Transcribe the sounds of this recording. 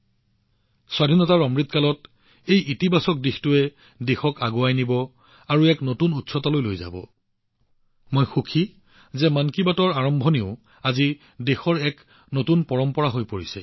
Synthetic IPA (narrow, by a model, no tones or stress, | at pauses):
swadʱinɔtaɹɔmɹit̚kalɔt | ejʔitibasɔk̚dixtʊɛ | dexɔkaɡoajnibɔ | aɹuɛknotunutsɔtalojlojza̰bɔ̰ | mojxukʰi | zɛmankibatɔɹaɹɔmbʱɔniʊ | azi | dexɔɹɛk | notunpɔɹɔmpɔɹaɦojpoɹisɛ̰